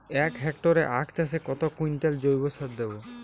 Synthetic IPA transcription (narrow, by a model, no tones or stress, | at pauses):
ɛkɦɛk̚ʈoɾḛʔa̰kt͡ɕas̬ekɔt̪okujnʈ̪eld͡ʑojbosaɾd̪ebo